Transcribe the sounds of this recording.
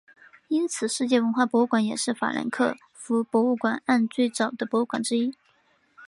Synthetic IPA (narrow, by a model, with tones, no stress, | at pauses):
i˥nt͡sʰɹ̩˨˩ʂɻ̩˥˧t͡ɕjɛ˥˩wə˧˥nxwa˥˩pwɔ˧˥u˥˩kwa˧˥njɛ˨˩ʂɻ̩˥˩fa̰˨˩lə̰˧˥nkʰɤ̰˥˩ | fu˧˥pwɔ˧˥u˥˩kwa˨˩na˥˧nt͡swe˥˩ɪt͡sɑ˨˩ʊd̪ə˦pwɔ˧˥u˥˩kwa˨˩nʈ͡ʂɻ̩˥i˥